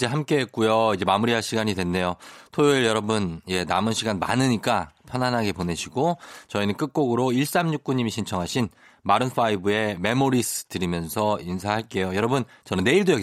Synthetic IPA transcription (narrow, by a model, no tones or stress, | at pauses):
d͡ʑeɦamk͈e̞ɦet̚k͈ujoid͡ʑe̞mamuɾiɦaɭɕʰiɡaɲidwenːe̞jotʰojoɯɭjʌɾʌbɯnje̞namɯnɕʰiɡanma̰nɯɲik͈apʰjʌnanɦaɡepone̞ɕʰiɡot͡ɕʌinɯnk͈ɯk̚k͈oɡɯɾoiɭs͈amɲuk̚k͈uɲimiɕʰint͡ɕʰʌŋɦaɕʰin | maɾɯnɸʰaibue̞me̞moɾisʰɯ̥tɯɾimjʌnsʰʌinsʰahaɭk͈e̞jojʌɾʌbun | t͡ɕʌnɯnːe̞iɭdojʌɡi